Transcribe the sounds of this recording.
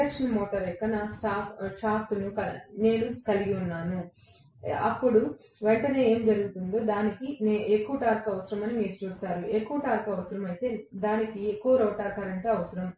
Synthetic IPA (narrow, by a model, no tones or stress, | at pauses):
ɐkʂɐnmoːʈɐɾɛkːɐnasʈaːpʰʃaːpt̪unukɐne̞ːnukɐliɡiunːaːnu | ɐ̰pːuɽu | ʋeɳʈɐne̞ːe̞ːmd͡ʒɐɾuɡut̪und̪o̞ːd̪aːnikineːe̞kːuʋɐʈaːɾkɐʋɐsɐɾɐmɐnimiːɾut͡ʃuːst̪aːɾue̞kːuʋɐʈaːɾkɐʋɐsɐɾɐmɐjt̪e̞ːd̪aːnikiekːuʋɐɾoːʈaːkɐɾɐɳʈɐɐʋɐsɐɾɐm